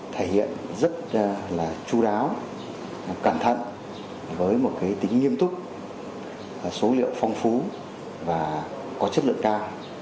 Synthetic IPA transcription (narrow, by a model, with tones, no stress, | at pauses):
t̪ʰe˧˩jhḭ˧˨ənzə˦˥t̚laː˨˩t͡ɕu˧ɗaː˨˦w | kaː˧˩mt̪ʰə̰˧˨n | vəː˨˦jmo˨˩t̚kaː˨˦jt̪ï˨˦ŋ̟ːi˧əmt̪ʊ˦˥k͡p̚ | so˨˦lḭ˧˨əwfɔ˧wŋ͡mfu˨˦ | vaː˨˩ | kɔ˨˦t͡ɕə˦˥t̚lɨ̰˧əŋkaː˧w